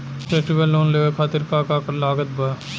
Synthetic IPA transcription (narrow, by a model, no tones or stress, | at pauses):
pʰeːsʈibəlːoːnleːekʰaːt̪ɪɾkaːkaːkəɾlaːɡət̪̚bə